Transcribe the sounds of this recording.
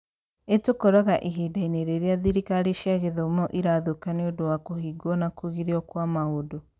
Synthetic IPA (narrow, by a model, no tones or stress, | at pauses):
etokoɾɔɣaʔiɦiːdaineɾeːɾeaðiɾikaɾiʃiaɣeðomoʔiɾaðokaneodowakohiɡwɔnakuɣiɾiɔkwamahodo